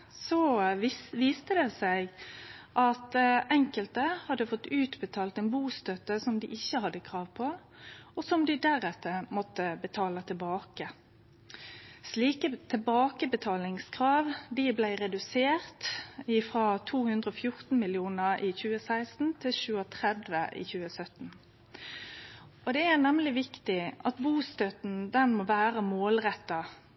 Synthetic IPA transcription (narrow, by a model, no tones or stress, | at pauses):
sɔ | ʋiːst̪əd̪eːsæɪɡʔɑt̪ʔɛŋkəlt̪əhɑd̪əfɔt̪ːʉːt̪bət̪ʰɑːlt̪ɛnbuːst̪œt̪əsɔmd̪ɪːʔɪçːəhɑd̪ːəkʰʁɑːʋpʰɔ | ɔsɔmd̪ɪd̪æɾɛt̪ːəmɔt̪ːəbət̪ʰɑːlət̪ʰɪbɑːkə | sliːkət̪ʰɛbɑːkəbət̪ʰɑːlɪŋskʰʁɑːʋd̪ɪblæɪʁɛd̪ʉseːʁt̪ɪfʁɑt̪ʰuːhʉnd̪ʁəɔfjʊʁt̪n̩mɪljuːnəʔɪçʉːəsæɪst̪n̩t̪ʰɪlçʉːət̪ʰʁɛd̪ʋəʔɪ̰çʉːəsœt̪n̩ | ʔɔd̪ɛænɛmlɪʋɪkt̪ɪʔɑt̪buːst̪œt̪n̩d̪ɛnmoʋæːʁəmoːlʁɛt̪ːɑ